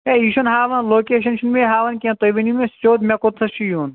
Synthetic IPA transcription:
eiʃɐnɦaːʋɐnloːkeːʃ̬ɐnʃunmẽɦaːʋɐnkʲẽt̪oʋinimẽst͡ʃoːd̪mʲekot̪ʰɐʃijon

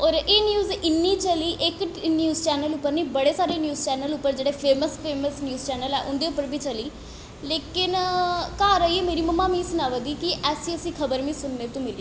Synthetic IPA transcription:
ɔːɾeːnjuːzɪnːiːt͡ʃəliːʔɪknjuːzt͡ʃɛːnəlʊpːəɾnĩːbəɽeːsaːɾeːnjuːzt͡ʃɛːnəlʊpːəɾd͡ʒeːɽeːpʰeːməspʰeːməsnjuːzt͡ʃɛːnəlɛːʔʊnd̪eːʊpːəɾbʱiːt͡ʃəliː | leːkɪnkaːɾaːiːemeːɾiːməmːaːmĩːsʊnaːʋəd̪iːkɪʔɛːsĩːəsĩːkʰəbəɾʋĩːsʊnːeːt̪ũːmɪli

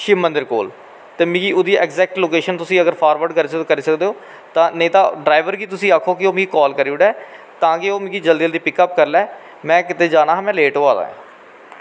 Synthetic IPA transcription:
ʃimənd̪əɾkoːl | t̪eːmĩːɡiːoːd̪iːʔɛɡzɛːk̚ʈloːkeːʃənt̪ʊsĩːəɡəɾpʰaːɾʋəɾɖkəɾiskəɾiːsəkd̪eːoː | t̪ãːnəĩːt̪ãːɖɾaːɪʋəɾɡiːt̪ʊsĩːaːkʰoːkɪoːmĩːɡikɔːlkəɾiːuɽɛː | t̪ãːkɪoːmĩːɡiːd͡ʒəld̪iːəld̪iːpɪkəp̚kəɾlɛː | mɛ̃ːkɪt̪eːd͡ʒaːnaːɦːmɛ̃ːleːʈoːaːd̪a̰ːɦɛ̰ː

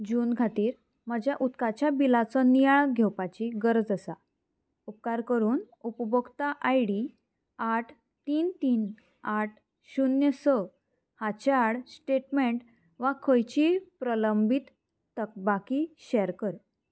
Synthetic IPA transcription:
d͡ʑuːnɡʱat̪iːɾ | məd͡ʑjaʔut̪kat͡ɕjabilat͡sɔnijaɭɡʱewpat͡ɕiɡəɾd͡zəsa | up̚kaɾkəɾuːn | upəbəɡt̪aʔajɽi | aʈʰ | t̪iːnt̪iːn | aʈ̚ʰ | ɕunjəsə | hat͡ɕaɽsʈeʈmeɳʈ | ʋakʰəjt͡ɕiːpɾələmbit̪ː | ək̚bakiːɕɛɾkəɾ

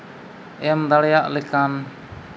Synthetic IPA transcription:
ɛmd̪aɽɛjaʔlɛkan

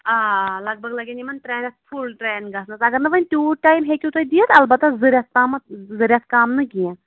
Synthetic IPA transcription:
aːlɐɡ̚bɐɡlɐɡʲenimɐnʈɾeːɾʲɐt̪̚fʰulʈɾeːnɡɐsnɐt̪ɐɡɐɾnɐʋɐnʲt̪ʲuːʈaːjmɦeːkʲut̪oid̪ijɐt̪ɐlbɐt̪ːɐzɨɾʲjɐt̪̚kaːmɐt̪zɨɾʲjɐt̪̚kaːmnɨkijã

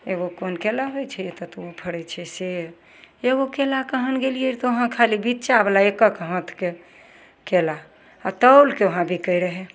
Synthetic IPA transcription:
eɡokonkelaɦojt͡ʃʰɛet̪ɔt̪uopʰəɽɛt͡ʃʰɛse | eɡokelakəɦənɡeliet̪oɦãkʰalibit̪ːt͡ʃabelaekəkɦə̃t̪ʰke | kela | at̪əwlkeʋoɦãbʱikəiɾəɦɛ

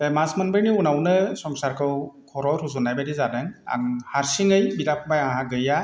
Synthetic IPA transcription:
masmɯnbɯniunawnɯsɔŋsaɾkʰɯwkʰɔɾɔɾuzunajbadizadɯŋa̰ŋhaɾsiŋɯjbidap̚ʰbajaŋɦaɡɯja

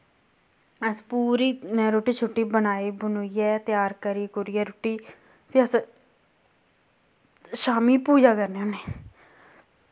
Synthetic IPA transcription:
əspuːɾiːnɛːɾoːʈiːt͡ʃʰʊʈːiːbənaːiːbʊnoːiːɛːt̪jaːɾkəɾiːkʊɾiːɛːɾoːʈiː | t̪eəs | ʃaːmiːpuːd͡ʒaːkəɾneːoneː

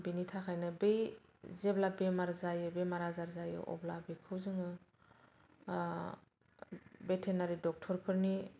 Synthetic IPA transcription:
binitʰakʰajnɯbej | zeblabemaɾzajɯbemaɾazaɾzajɯ̰ʔɔ̰blabekʰɯwzɯŋɯ | betʰenaɾidɔk̚tʰɔɾpʰɯɾni

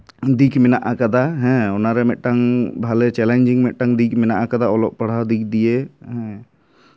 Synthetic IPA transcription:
d̪ikmɛnaʔakad̪aɦɛ̃ɔnaɾɛmɛʔ̚ʈaŋbʱalɛt͡ʃɛlɛnd͡ʒiŋmɛʔ̚ʈaŋd̪ikmɛnaʔakad̪aɔlɔʔ̚paɽ̤ad̪ik̚ʰd̪ijeɦɛ̃

